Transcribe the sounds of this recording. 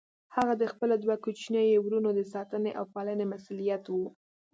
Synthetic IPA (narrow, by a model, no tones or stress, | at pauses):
haɣad̪əxpəlad̪wakut͡ʃnjɑjewɾunod̪əsɑt̪əneʔa̰wpɑlənemasulijat̪wu